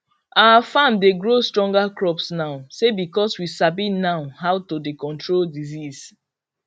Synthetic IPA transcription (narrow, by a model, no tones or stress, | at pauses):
awafãmdeɡɹostɹɔ̃ŋɡakɹɔpsnaʊsebikɔswisabinaʊɦawtodekɔ̃ntɹoldizis